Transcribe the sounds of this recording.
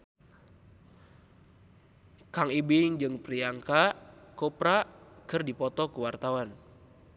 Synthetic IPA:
kaŋibiŋd͡ʒɨŋpɾiaŋkakɔpɾakɨrdipɔt̪ɔkuwart̪awan

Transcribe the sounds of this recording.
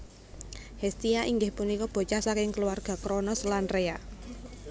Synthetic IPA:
hest̪iaʔiŋɡɪhpunikɔb̥o̤t͡ʃasakɪŋkəluwarɡ̥a̤kɾɔnɔslanrea

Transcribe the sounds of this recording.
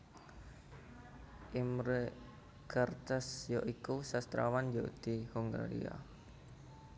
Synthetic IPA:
ʔimɾə | kʰart̪asjɔʔikusast̪ɾawand͡ʒoʔt̪ihuŋɡa̰ɾḭa̰

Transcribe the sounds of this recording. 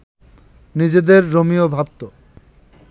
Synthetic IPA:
nid͡ʑed̪eɾːomiobʱab̚t̪o

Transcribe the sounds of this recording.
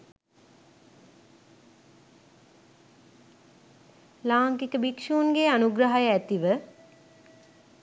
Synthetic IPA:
laːŋkikəbikʂuːnɡeanuɡɾaɦajəæt̪iʋə

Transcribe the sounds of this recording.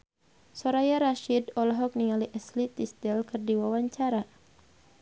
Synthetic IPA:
sɔɾajaɾaʃidɔlɔɦɔk̚niŋaliʔɛslit̪ist̪ɛlkɨrdiwawaɲt͡ʃaɾa

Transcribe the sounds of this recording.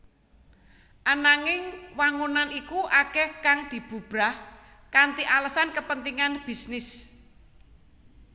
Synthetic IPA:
ʔanaŋɪŋwaŋunanikuʔakɛhkaŋd̪̥i̤b̥ṳb̥ɾah | kant̪iʔaləsankəpənt̪iŋanb̥i̤snɪs

